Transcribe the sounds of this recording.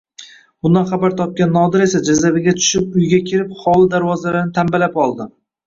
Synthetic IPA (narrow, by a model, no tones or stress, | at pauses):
bʊnd̪anχabaɾt̪ʰɒp̚kʲanːɒd̪ɪɾe̞sad͡ʒazabɪɡʲat̪ʰʊ̥ʃɪp̚ʊjɡʲakʲʰɪɾɪp̚χɒlˠɪd̪aɾwɒzalaɾnɪt̪ʰambalapɒlˠd̪ɪ